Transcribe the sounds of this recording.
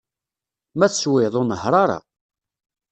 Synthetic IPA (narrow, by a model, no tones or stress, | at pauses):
mæθswɪðˤonəɦɾˤɑɾˤɑ̰